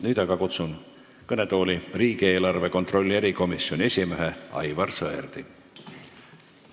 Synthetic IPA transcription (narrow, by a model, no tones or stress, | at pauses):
nyːd̪̥ɑɡ̥ɑkut̪sun | kɤne̞t̪o̞ːlʲiriːɡ̥ie̞ːlɑrve̞ko̞nt̪ro̞lʲːieɾiko̞misːjo̞nʲie̞sʲime̞ɦeɑ̰jvɑrsɤḛrd̪̥i